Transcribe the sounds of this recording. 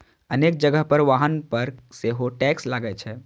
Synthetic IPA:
ənek̚d͡ʒəɡəɦpəɾʋaɦənpəɾseɦoʈɛkslaɡɛt͡ʃʰɛ

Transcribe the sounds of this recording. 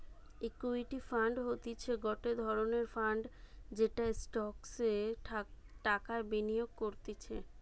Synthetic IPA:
ekuiʈifaɳɖɦot̪it͡ɕʰeɡɔʈed̪ʱɔɾoneɾfaɳɖd͡ʑeʈaesʈɔkse | ʈakaɾbenijoɡ̚koɾt̪et͡ɕʰe

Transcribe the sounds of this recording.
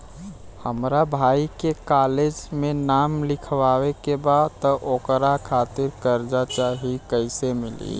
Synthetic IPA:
həmɾabʱaːikekaled͡ʒmẽnaːmlɪkʰʋaːwekebat̪ɔʔokɾakʰaːt̪ɪɾkəɾd͡ʒat͡ʃaɦikəɪsemɪlḭ

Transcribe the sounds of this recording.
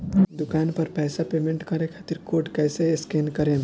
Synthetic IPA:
d̪ʊkaːnpɐɾpɛːsapeːmẽɳʈkɐɾẽkʰaːt̪iɾkoːʈkɛːseskeːnkɐɾẽː

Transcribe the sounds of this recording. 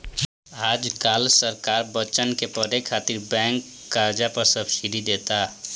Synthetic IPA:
aːd͡ʒkaːlsəɾkaːɾbət͡ʃənkepəɾekʰaːt̪iɾbɛ̃ːŋkː | aːɾd͡ʒapəɾsəbsid̪ʱid̪eːt̪a

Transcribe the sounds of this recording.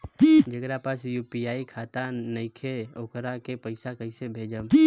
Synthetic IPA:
d͡ʒəɡɾapasjuːpiaːikʰat̪anəɪkʰeokɾakepəɪsakəɪsebʱeːd͡ʒəm

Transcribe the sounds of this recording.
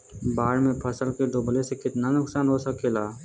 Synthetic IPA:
baːɾmẽpʰɐsəlkeɖoːblesekɪt̪nanʊksaːnɦosəkeːlaː

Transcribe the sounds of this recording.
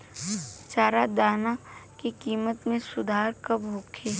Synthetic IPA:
t͡ʃaːɾad̪aːnakikiːmət̪mẽsʊd̪ʱaːɾkɐbʱoːkʰeː

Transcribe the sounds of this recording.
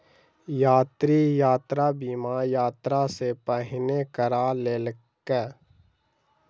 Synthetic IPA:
jaːt̪ɾijaːt̪ɾaːbiːmajaːt̪ɾasepəɦɪnekəɾaːleːl | kɛː

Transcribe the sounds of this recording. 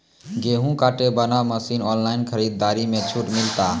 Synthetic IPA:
ɡeːɦũkaːʈebənaməsiːnɔːnlaːɪnkʰəɾiːd̪ːaːɾimẽt͡ʃʰuʈmɪlt̪a

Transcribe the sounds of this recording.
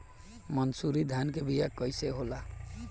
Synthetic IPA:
mʌnsuɾid̪ʱankebijakʌjseɦola

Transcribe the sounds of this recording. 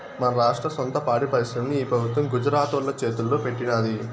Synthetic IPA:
mɐnɐɾaːʂʈɾɐsont̪ɐpaːɽipɐɾiʃɐmniiːpɾɐbʱut̪ʋɐmɡud͡ʒɐɾaːt̪ʋɐlːɐt͡ʃe̞ːt̪ulːoːpe̞ʈːinaːd̪i

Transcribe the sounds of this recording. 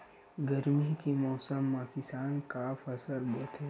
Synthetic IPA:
ɡəɾmikemɔːsəmːãkɪsaːnkafɐsəɾboːt̪ɦɛ

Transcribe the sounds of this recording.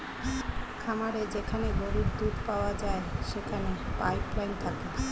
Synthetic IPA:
kʰamaɾed͡ʑekʰaneboɾuɾd̪ud̪paoad͡ʑaeʃekʰanepajplajnt̪ʰake

